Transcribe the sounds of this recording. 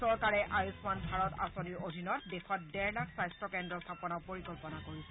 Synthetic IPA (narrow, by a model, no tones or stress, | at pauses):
sɔɹkaɹɛʔajusmanbʱaɹɔta̰soniɹodʱinɔt̚dexɔt̚dɛɹlakʰsajstɔkɛndɹɔstʰapɔnawpoɹikɔlpɔnakoɹisɛ